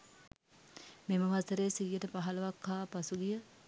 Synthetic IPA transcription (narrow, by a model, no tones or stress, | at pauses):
meməʋasəɾeːsiːjəʈəpaɦalɐʋakʰːaːpasuɡijə